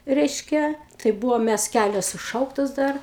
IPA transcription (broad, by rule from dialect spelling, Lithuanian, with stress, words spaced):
ˈrʲɛɪʃʲkʲɛ tɐɪ ˈbuːʋoːm ˈmʲæs ˈkʲælʲoːs sʊˈʃɐʊktoːs ˈdɐr